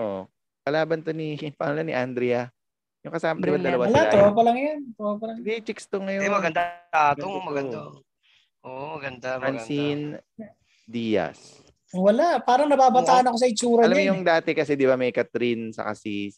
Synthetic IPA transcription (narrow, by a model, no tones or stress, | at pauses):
ʔo | pɐlaːbɐnt̪onipɐŋɐlanḭʔand̪ɾɛjɐ | jʊŋkɐsaːmɐɪmɐd̪ɐlɐwawɐlat̪ɾoʔpɐlɐŋjant̪ɾopɐlɐŋd̪it͡ʃɛkst̪oŋɐjoɛmɐɡɐnd̪aaːt̪oŋmɐɡɐna | ʔoʔmɐɡɐnd̪aɐnsin | d̪iːjɐ̰s | owɐlaʔpaːɾɐŋnɐbaːbɐt̪aːʔɐnɐkos̬ɐɪt͡ʃuːɾɐɐlɐmjʊŋd̪aːt̪ɛkɐsɛd̪ɪbamɐjkɐt̪ɾinsɐ̰ka̰si